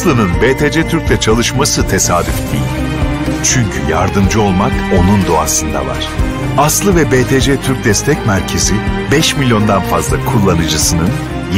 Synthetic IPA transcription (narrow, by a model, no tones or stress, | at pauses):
lˠɯnɯnbeːt̪ʰed͡ʒɛt̪ʰyɾcʲlʲɛt͡ʃʰalˠɯʃmasɯt̪ʰe̞saːd̪yft̪ejilʲ | t͡ʃʰyɲcʰyja̰ɾd̪ɯmd͡ʒɯo̞lˠmako̞nund̪oa̰sɯnd̪a̰va̰ɾ̥ | aslˠɯvɛbeːt̪ʰed͡ʒɛt̪ʰyɾc̚d̪ɛst̪ʰɛcmæɾcʰe̞zibɛʃmilʲjo̞nd̪anfazlˠakʰulˠːanɯd͡ʒɯsɯnɯn | j